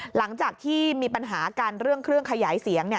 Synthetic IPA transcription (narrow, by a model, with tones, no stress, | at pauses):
la˩˦ŋt͡ɕaː˨˩k̚t̪ʰiː˥˩miː˧pa˧nɦaː˩˦kaː˧nɾɯ˥˩əŋkʰɾɯ˥˩əŋkʰa˧jaː˩˦jsi˩˦əŋni˥˩ə